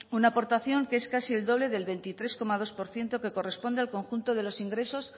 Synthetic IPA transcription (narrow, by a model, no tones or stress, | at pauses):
unaːpo̞ɾt̪aθjo̞ŋkeeskasield̪o̞β̞le̞ðe̞lβe̞nt̪it̪ɾe̞sko̞mað̞o̞spo̞ɾθje̞nt̪o̞ke̞ko̞re̞spo̞nd̪e̞alko̞ŋxunt̪o̞ðe̞lo̞siŋɡɾe̞so̞s